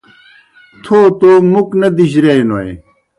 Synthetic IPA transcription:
t̪ʰoːt̪oːmuknɐd̪iɕɾeinoḛ

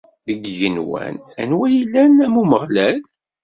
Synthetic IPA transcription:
ðəɡjənwæ̰nænwæjilːænæmuməʁlæl

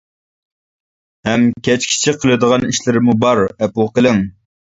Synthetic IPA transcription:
hɛmkʲʰɛt͡ʃkʲʰi̥t͡ʃʰiqʰəlˠɨd̪əʁɑniʃlɪɾɪmubɑɾɛplˠqəlˠɪŋ

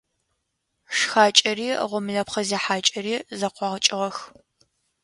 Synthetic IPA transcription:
ʂxaːt͡ʃʼɐriːʁʷɔmɨɮɐpχɐzeːħaːt͡ʃʼɐɾiːzɐqʷɑʁət͡ʃʼɪʁɐx

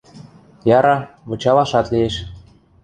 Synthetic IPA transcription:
jɑɾɑβɤ̆t͡ɕɑlɑʃɑt̪lieʃ

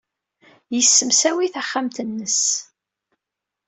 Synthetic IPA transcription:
jəsːəmsæwiθæχːamt̪ənːəs

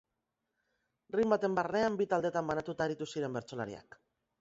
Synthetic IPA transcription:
rimbat̪e̞mbarne̞ambit̪ald̪e̞t̪ambanat̪ut̪aːɾit̪usiɾe̞mbe̞ɾt͡so̞la̰ɾḭa̰k

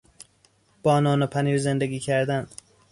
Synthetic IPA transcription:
b̥ɒːnɒːnopʰæniːɾzend̪eɡʲiːcʰæɾd̪æn

